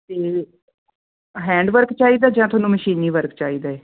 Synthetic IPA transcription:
t̪eː | ɦɛ̃ːɳɖʋəɾkt͡ʃaːiːd̪aːd͡ʒãːt̪ʊaːnũːməʃiːniːʋəɾkt͡ʃaːiːd̪aːeː

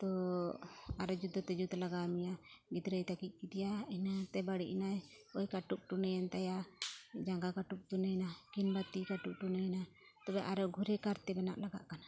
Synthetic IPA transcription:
t̪ɔ | aɾɔd͡ʒud̪ʱɔt̪ɛd͡ʒud̪laɡamijaɡid̪ɾəjt̪akic̪̚ˀkit̪ijainat̪ɛbaɽiʔinaj | ɔjkaʈup̚ʈunɛjɛnt̪ajad͡ʒaŋɡakaʈup̚ʈunəjnakinbat̪ikaʈup̚ʈunəjna | t̪ɔbɛʔaɾɔɡʱuɾɛkaɾt̪ɛbɛna̰ʔlaɡa̰ʔkana

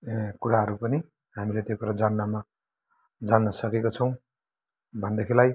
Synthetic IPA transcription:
kuɾaɦʌɾupʌni | ɦamilet̪jokuɾad͡zanːama | d͡zanːʌsʌkekot͡sʰʌw̃ | bʱʌnd̪ekʰilaj

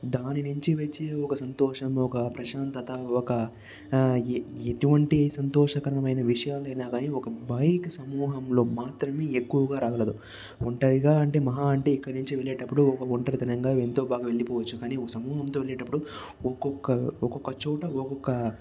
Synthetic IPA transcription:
d̪aːninuɲt͡ʃiʋet͡ʃːiɔkɐsɐnt̪ɔːʂɐmɔkɐpɾɐʃaːnt̪ɐt̪ɐɔkɐ | et̪uʋɐɳʈisɐnt̪ɔːʂɐkɐɾɐɳɐmɐjnɐʋiʂɐjaːluɐjnaːɡaːniːɔkɐbɐjksɐmuːɦɐmlo̞ːmaːt̪ɾɐme̞ːekːuʋɐɡaːɾaːkɐlɐd̪u | uɳʈɐɾiɡaːɐɳʈe̞ːmɐɦaːɐɳʈe̞ːikːɐɽinuɲt͡ʃiʋeɭeːʈɐpːuɽuɔkɐuɳʈɐɾit̪inɐŋɡaːent̪o̞ːbaːɡaʋe̞ɭːipɔːʋɐt͡ʃːukaːniːɔkɐsɐmuːɦɐmt̪o̞ːʋe̞ɭeːʈɐpːuɽu | ɔkɔkːɐɔkɔkːɐt͡ʃɔːʈɐɔkɔkːɐ

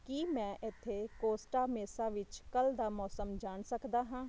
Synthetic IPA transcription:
kimɛ̃ʔɪt̪ʰːekoːsʈameːsaʋɪt͡ʃkɐld̪amɔːsəmd͡ʒaːnsəkd̪aɦãː

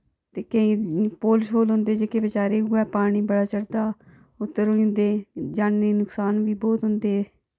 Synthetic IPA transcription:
t̪eːkə̃ĩːpoːlʃɦoːlɦʊ̃nd̪eːd͡ʒeːkeːʋɪt͡ʃaːɾeːuːɛːpaːɽ̃iːbəɽaːt͡ʃəɽd̪aː | ʊt̪ːəɾoːĩnd̪eːd͡ʒaːnneːnʊksaːnʋiːbɔːt̪ɦʊnd̪eː

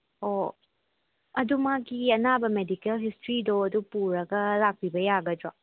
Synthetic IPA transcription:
o | ɐdumaɡiɐnabɐmedikelɦistɾidoɐdupuɾɐɡɐlak̚pʰibɐjaɡɐdɾa

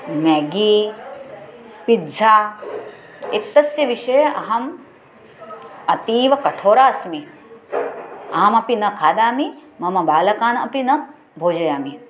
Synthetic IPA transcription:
mɛːɡiː | pidzʱaː | it̪ːɐsjɐʋiʃɐjɐʔɐɦɐm | ɐt̪iːʋɐkɐʈʰoːɾaːsmi | ɐɦɐmɐpinɐkʰaːd̪aːmimɐmɐbaːlɐkaːnɐpinɐ | bʱoːd͡ʒɐjaːmi

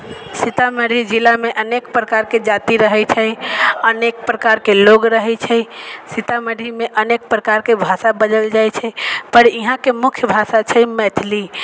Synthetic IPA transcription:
sit̪aməɾid͡ʒilameʔənekpɾəkaɾked͡ʒat̪iɾəɦɛt͡ʃʰəjənek̚pɾəkaɾkeloɡɾəɦɛt͡ʃʰɛjsit̪aməɽimeʔənek̚pɾəkaɾkebʱasabəd͡ʒəld͡ʒajt͡ʃʰɛjpəɾiɦãkemukʰjəbʱasat͡ʃʰəmɛt̪ʰli

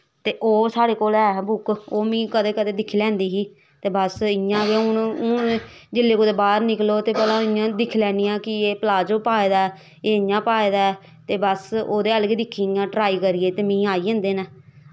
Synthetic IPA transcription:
t̪eːʔoːsaːɽeːkoːlɛːbʊkoːmĩːkəd̪eːkəd̪eːd̪ɪkʰːiːlɛ̃ːnd̪iːɦiː | t̪eːbəsɪjãːʋeːʊnʊn | d͡ʒɪlːeːkod̪eːbaːɾnɪkloːt̪eːpɛːlãːɪjãːd̪ɪkʰːlɛːnɪjãːkɪeːpəlaːd͡ʒoːpaːeːd̪aːɛ | eːɪjãːpaːeːd̪aːɛ | t̪eːbəsoːd̪eːəlɡiːd̪ɪkʰːiːjãːʈɾaːiːkəɾɪːeːt̪eːmĩːaːiːẽːnd̪eːnɛː

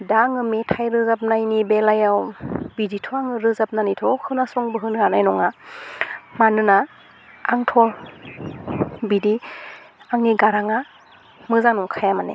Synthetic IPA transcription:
daŋɯmetʰajɾɯzap̚najnibelajawbiditʰɔaŋɯɾɯzap̚nanitʰɔkʰɯnasɔŋbɯɦɯnɡanajnɔŋa | manɯna | aŋtʰɔ | bidi | aŋniɡaɾaŋa | mɯzaŋnɔŋkʰajamanḛ

